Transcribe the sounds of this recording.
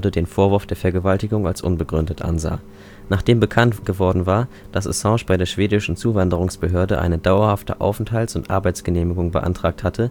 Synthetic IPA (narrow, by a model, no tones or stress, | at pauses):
dədeːnfoːɐvʊɐfd̥eːɐfɛɐɡəvaltɪɡʊŋa̰lsʔʊ̰nbəɡʁʏndətʔa̰nza̰ː | naːχd̥eːmbəkʰantɡ̥əvɔɐdn̩vaːɐ | d̥asʔo̰sɑ̃ːʃb̥aɪdeːɐʃv̥eːdɪʃn̩t͡suːvandəʁ̞ʊŋsb̥əɦøːɐdəʔa̰ɪnədaʊɐhaftə̰ʔa̰ʊfn̩thaltsʊntʔa̰ɐbaɪt͡sɡ̥əneːmɪɡʊŋbə̰ʔa̰ntʁ̥aːk̚thatʰə